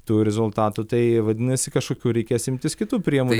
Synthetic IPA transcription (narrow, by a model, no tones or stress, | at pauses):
t̪uːɾʲɛzʊlˠt̪ɑːt̪ut̪ɐɪʋɐd̪ʲɪnɐsʲɪkɐʃkoːkʲuːɾʲɛɪkʲeːsɪmʲt̪ʲɪskʲɪt̪uːpʲɾʲiɛmu